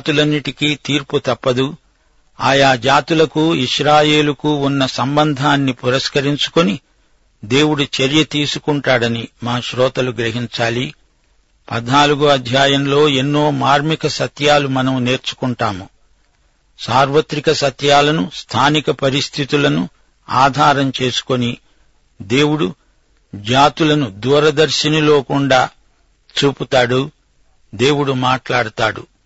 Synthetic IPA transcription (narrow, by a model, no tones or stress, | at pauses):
t̪ulɐnːiʈikiːt̪iːɾput̪ɐpːɐd̪u | aːjaːd͡ʒaːt̪ulɐkuiʃɾaːje̞ːlukuunːɐsɐmbɐnd̪ʱaːnːipuɾɐskɐɾiɲt͡ʃu̥koni | d̪e̞ːwuɽut͡ʃɐɾjɐt̪iːsukuɳʈaːɽɐnimaːʃɾɔːt̪ɐluɡɾɐɦiɲt͡ʃaːli | pɐd̪ʱnaːluɡuɐd̪ʱjaːjɐmlo̞ːe̞nːoːmaːɾmikɐsɐt̪jaːlumɐnɐmne̞ːɾt͡ʃu̥kuɳʈaːmu | saːɾʋɐt̪ɾikɐsɐt̪jaːlɐnust̪ʰaːnikɐpɐɾist̪ʰit̪ulɐnu | aːd̪ʱaːɾɐmt͡ʃe̞ːsu̥koni | d̪e̞ːwuɽu | d͡ʒaːt̪ulɐnud̪uːɾɐd̪ɐɾʃɐnɐlo̞ːkuɳɖaː | t͡ʃuːput̪aːɽu | d̪e̞ːwuɽumaːʈlaːɽut̪aːɽṵ